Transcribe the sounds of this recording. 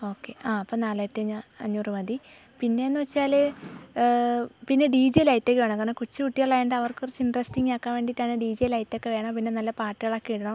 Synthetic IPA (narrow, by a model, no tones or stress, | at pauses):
o̞ːkːe̞aːɐpːoːnaːlaːjtːɨɐɲːaɐ̰ɲːuːrɨmɐd̪i | pinːe̞enːɨʋɐt͡ɕːaːlɨ | pinːe̞ɖiːd͡ʑejlajtːokeʋeːɳɐmkːaːɳɐkut͡ɕːɨkuʈːijɐɭːaːjɐɳɖɨɐʋɐrkɨkurɐt͡ɕːɨinɖrɐsʈiŋɡaːkːaːmʋe̞ːɳɖiʈːaːɳɨɖiːd͡ʑejlɐjitːo̞kːeʋe̞ːɳɐmpinːe̞nɐlːɐpaːʈːiɣɐɭɐkːeɽɐɳɐm